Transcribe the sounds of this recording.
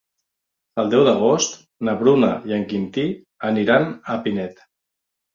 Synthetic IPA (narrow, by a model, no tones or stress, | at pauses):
əlˠd̪ɛwðəɣost̪ | nəβɾunəjəŋkint̪i | əniɾanəpinɛt̪